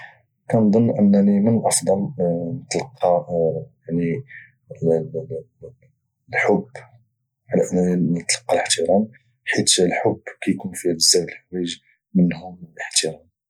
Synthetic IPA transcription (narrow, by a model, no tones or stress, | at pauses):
kænd̪ˤonːʔənːænimənʔɑfd̪ˤɑlnət̪lɑqʰːɑjaʕni | lħʊbː | ʕalæʔənːæninət̪lɑ̥qːɑləħt̪iɾˤɑn | ħit̪lħʊbːkæjkunfiəzːæwəlħwiʒ | mənhʊmləħt̪iɾɑn